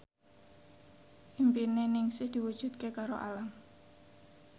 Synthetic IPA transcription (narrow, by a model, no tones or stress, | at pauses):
ʔimpinenɪŋsɪhd̪̥iwud̥ʒ̥ṳt̪̚kekaɾoʔa̰lam